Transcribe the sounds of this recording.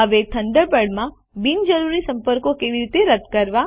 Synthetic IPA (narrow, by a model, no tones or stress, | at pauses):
əʋet̪ʰənd̪əɾpəɽmã | bind͡ʒəɾuɾisə̃mpəɾkokeʋiɾit̪eɾəd̪kəɾʋa